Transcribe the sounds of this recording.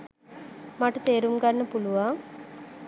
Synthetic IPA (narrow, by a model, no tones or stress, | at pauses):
maʈɐt̪eːɾumɡɐnːɐpuluʋaːŋ